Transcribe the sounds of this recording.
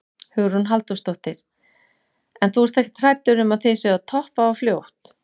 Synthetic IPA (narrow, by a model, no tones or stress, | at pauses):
hʏɣɾunɦalt̪ʏst̪ɔwht̪ɪɾ̥ | ɛnθuvɛɾst̪ɛhcɪ̥t̪ʰɾaːjt̪ʏɾʏmaðθejsɛat̪ʰɔhpaɔfljowht̪